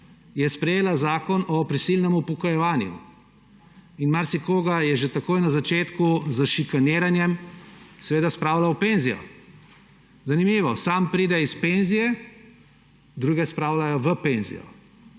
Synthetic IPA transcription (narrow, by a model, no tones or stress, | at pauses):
jɛspɾɛjeːlazaːkɔnɔpɾisilnɛmupɔkɔjɛʋaːnjṵ | inmaɾsikoːɡajɛʒet̪akoːjnazat͡ʃeːt̪kuzəʃikaneːɾanjɛmsɛʋeːd̪aspɾaːwlaɔpenzijɔ̰ | zanimiːʋɔsampɾiːd̪ɛispenzijɛ | d̪ɾuːɡɛspɾawlajɔʋəpeːnzḭjɔ̰